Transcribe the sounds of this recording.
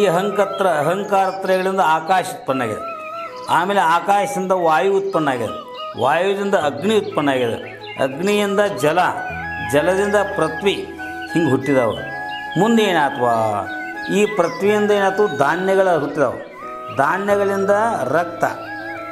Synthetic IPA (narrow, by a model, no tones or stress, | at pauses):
ɐɦɐŋkɐt̪ɾɐːɦɐŋkaːɾɐt̪ɾɐɣɐɭind̪ɐaːkaːʃut̪̚pɐɳːaːɡid̪ḛ | aːmeːleaːkaːʃɐd̪ind̪ɐʋaːjuut̪̚pɐɳːaːɡid̪ɐ̰ | ʋaːjud̪ind̪ɐɐɡɳiut̪̚pɐɳːaːɡid̪ɐ̰ | ɐ̰ɡɳijind̪ɐd͡ʒɐlɐd͡ʒɐlɐd̪ind̪ɐpɾɐt̪ʋi | hiŋɡɦuʈːid̪ɐ̰ːʋɐ̰ṵ | mund̪eːnaːt̪ʰɐʋa̰ː | iːpɾɐt̪ʋijind̪ɐeːnaːt̪ʋud̪ʱaːɳjɐɡɐɭɐɦuʈːid̪ɐ̰ːʋɐ̰ | d̪ʱaːɳjɐɡɐɭind̪ɐɾɐkt̪ɐ̰